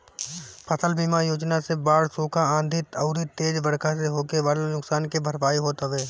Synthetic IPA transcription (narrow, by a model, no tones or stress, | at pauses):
pəsʰəlbiːmajoːd͡ʒnasebaːɽsoːkʰaãːnd̪ʱɪt̪ɐʊɾit̪eːd͡ʒʋəɽkʰaseɦoːkeʋalenʊksaːnkibʱəɾʋaːiɦoːt̪aʋeː